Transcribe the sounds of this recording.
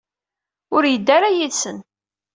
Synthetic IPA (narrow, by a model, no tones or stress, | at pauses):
ʊɾjəd̪ːaɾajisən